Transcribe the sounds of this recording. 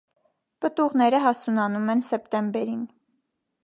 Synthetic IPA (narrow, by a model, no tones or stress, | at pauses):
pət̪uʁnɛɾəɦɑsunɑnumɛnsɛpt̪ɛmbɛɾin